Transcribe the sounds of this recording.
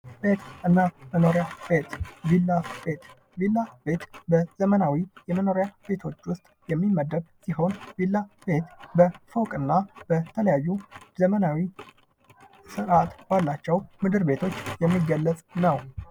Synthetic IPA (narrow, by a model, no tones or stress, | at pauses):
be̞t̪ɨnːaməno̞ɾjabe̞t̪vilːabet̪ | vilːabe̞t̪bəz̥əmənawijɛməno̞ɾjabe̞t̪ʰo̞t͡ʃːwʊst̪ʼjɛmːimːəd̪əd̪siɦo̞nvilːabe̞t̪bəfəwkʼɨnːab̥ət̪ʰələjajːuzəmənawi | sɨɾat̪balːat͡ʃːɛwmɨd̪ɨɾbe̞t̪ʰo̞t͡ʃːjɛmːiɡːəlːət͡sʼnəw